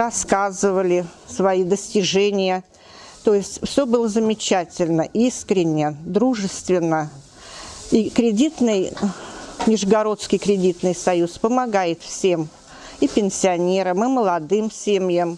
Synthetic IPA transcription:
ɐskazɨvəlʲɪsvɐid̪əsʲtʲɪʐɛnʲɪjə | t̪ojɪsʲtʲfsʲobɨlˠəzəmʲɪt͡ɕætʲɪlʲnəʔiskɾʲɪnʲːəd̪ɾuʐɨst̪vʲɪnːə | ikɾʲɪdʲit̪nɨj | mʲɪʐɡɐɾo̞t̪skʲɪjkɾʲɪdʲit̪nɨjsɐjuspəmɐɡajɪt̪fsʲe̞m | ipʲɪnʲsʲɪɐnʲe̞ɾəmɨməlˠɐd̪ɨmsʲemjəm

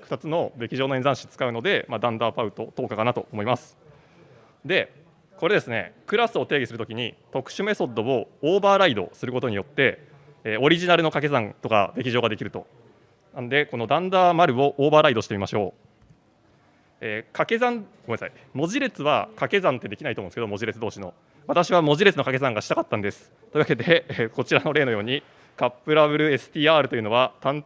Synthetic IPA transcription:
ɸɯ̟̥t̪at͡sɨno̞d̪e̞kʲiʑo̞ːnoẽzãɕi̥t͡sɨ̥kaɯ̟no̞d̪e̞mad̪ãnd̪aːpaɯ̟t̪o̞t̪o̞ːkakanat̪o̞omo̞imasɨ̥ | d̪e̞ | ko̞ɾe̞d̪e̞sɨne̞̰kɯ̟ɾasɨo̞t̪e̞ːɡʲisɨɾɯt̪okʲiɲ̟it̪okɯ̟̥ɕɨme̞so̞d̪o̞o̞oːbaːɾaid̪o̞̰sɨɾɯ̟ko̞t̪o̞ɲ̟ijo̞t̪ːe̞ː | o̞ɾʲiʑinaɾɯno̞kake̞zãnt̪o̞ka̰d̪e̞kʲiʑo̞ːɡad̪ekʲiɾɯ̟t̪o̞̰ | nanod̪e̞ko̞no̞d̪ãnd̪aːmaɾɯ̟o̞ʔoːbaːɾaid̪o̞ɕi̥t̪emimaɕo̞̰ː | eːkake̞zãnɡoesai | mo̞ʑiɾe̞t͡sɨβa̰kake̞zãnt̪ːe̞d̪e̞kʲinaitom̃nskeo̞mo̞ʑiɾe̞t͡sɨd̪o̞ːɕino̞ | βat̪aɕiβamo̞ʑiɾe̞t͡sɨno̞kake̞sãŋɡaɕi̥t̪akat̪ːãnd̪e̞sɨ̥ | t̪o̟βake̞d̪e̞eko̞t͡ɕiɾano̞ɾe̞ːnojo̞ːɲ̟i | kapːɯ̟ɾaβɯ̟ɾɯ̟e̞sɨ̥t̪ʲiːaːɾɯ̟t̪o̞jɯ̟no̞β̞at̪ãn

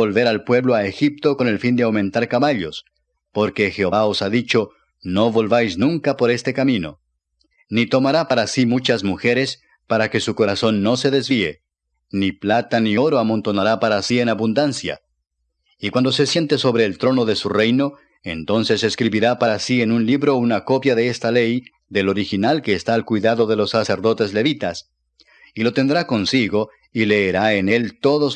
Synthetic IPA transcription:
olβe̞ɾalpwe̞βlo̞aexip̚t̪o̞ko̞ne̞lfind̪eawmẽ̞nt̪aɾkaβaʎo̞s | po̞ɾke̞xe̞oβao̞saðit͡ʃo̞ | no̞βo̞lβajsnũŋkapo̞ɾe̞st̪e̞kamĩno̞̰ | nit̪o̞maɾapaɾasimut͡ʃazmuxe̞ɾe̞s | paɾake̞suko̞ɾaso̞nːo̞se̞ðe̞zβie̞̰ | niplat̪anio̞ɾo̞amõ̞nt̪o̞naɾapaɾasie̞naβund̪ansja̰ | ikwand̪o̞se̞sje̞nt̪e̞so̞βɾe̞ːlt̪ɾo̞no̞ðe̞sure̞jno̞ | e̞nt̪o̞nse̞se̞skɾiβiɾapaɾasie̞nunliβɾo̞unako̞pjaðe̞est̪ale̞j | ðe̞lo̞ɾixinalke̞ːst̪aːlkwijðaðo̞ðe̞lo̞sːase̞ɾðo̞t̪e̞zle̞βit̪as | ilo̞t̪e̞nd̪ɾako̞nsiɣo̞ | ile̞ːɾae̞ne̞lt̪o̞ðo̞

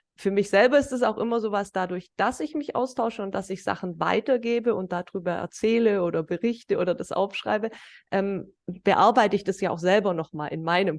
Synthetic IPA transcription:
fyːɐmɪçz̥ɛlbɐɪstd̥as̬aʊxʔɪmɐzoːvasd̥adʊɐçd̥asɪçmɪçʔa̰ʊstʰaʊʃəʊnt̚d̥asɪçz̥a̰χn̩va̰ɪtɐɡeːbəʊnt̚d̥adʁyːbɐʔɛ̰ɐt͡sɛːləoːdɐbəʁɪçtəʔoːɾɐdasʔa̰ʊfʃʁ̥a̰ɪbəʔɛːm | b̥əʔa̰ɐbaɪtəɪçd̥asjaːaʊxz̥ɛlbɐnɔχma̰ːlɪ̰nmaɪnəm

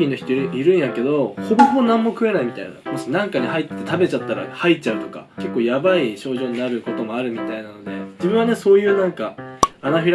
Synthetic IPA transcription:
ino̞çi̥t̪oiɾɯiɾɯ̟̃ɰ̃jake̞d̪o̞hobohobonãmːokɯ̟e̞naimʲit̪a̰ina̰mo̞ɕinãŋkaɲ̟ihait̪ːe̞t̪abe̞t͡ɕat̪ːaɾa̰hait͡ɕaɯ̟t̪o̞ka̰ke̞kːoːjabaiɕo̞ːʑo̞ːɲ̟inaɾɯ̟ko̞t̪o̞mo̞aɾɯ̟mʲit̪ainano̞d̪e̞d͡ʑibɯ̟̃ɰ̃βane̞so̞ːjɯ̟ːnãŋkaːnaɸʲiɾ

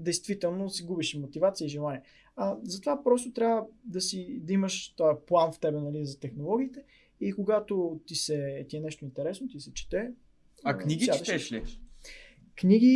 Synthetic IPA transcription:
d̪ɛjst̪vit̪ɛlˠnosiɡubiʃimot̪ivat̪siəiʒilˠaniɛ | azɐt̪ovapɾɔs̬t̪ot̪ɾʲavəd̪ɐsid̪ɐimɐʃplˠanft̪ɛbɛnɐlizɐt̪ɛxnolˠɔɡ̟iːt̪ɛ | ikoɡat̪ot̪isɛt̪iɛnɛʃt̪oint̪ɛɾɛsnot̪isɛt͡ʃi̥t̪ɛ | akniɡiaʃɛʃli | kniɡi

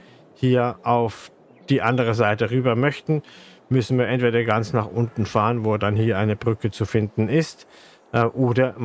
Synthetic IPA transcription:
hiːɐʔaʊf | d̥iːʔandəʁ̞əzaɪtəʁyːbɐmœçtn̩ | mʏsn̩viːɐʔɛntv̥eːdɐɡant͡snaːχʔʊntn̩faːʁənvoːdanhiːɐʔaɪnəbʁʏkət͡sufɪndn̩ɪst | ʔʔoːdɐ

